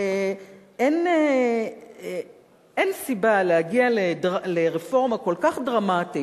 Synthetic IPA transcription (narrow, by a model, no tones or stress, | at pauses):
ene | ʔensibaleaɡialedʁaleʁefo̞ʁmako̞lkaχdʁamati